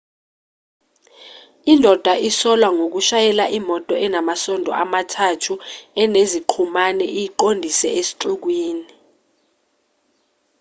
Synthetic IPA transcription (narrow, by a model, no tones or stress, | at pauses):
indʱɔd̥ʱwaʔisɔlwaŋok̬uʃajɛlaʔimɔtʼɔʔɛnamasɔndʱɔ̰ʔamatʰatʰuɛneziǃʰumanɛʔijiǃondʱisɛesi̥ǁuk̬wiːni